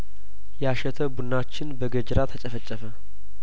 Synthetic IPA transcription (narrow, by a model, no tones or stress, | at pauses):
jaʃɛt̪ʰəbunːat͡ʃːɪnbəɡəd͡ʒɾat̪ʰət͡ʃʼəfət͡ʃʼːəfə